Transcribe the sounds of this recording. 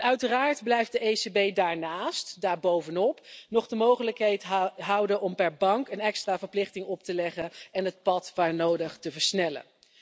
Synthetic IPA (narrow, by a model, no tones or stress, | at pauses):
œɥtəraːɹdblɛjft̚dəejsebejdaːɹnaːstdaːɹbowvənɔpnɔχdəmowχələkɦɛjtɦɑwdəʔɔmpɛɹbɑŋkənɛkstraːvəɹplɪχtɪŋɔp̚təlɛχəɛnɦət̚pɑtʋaːɹnowdəχtəvəɹsnɛlə̰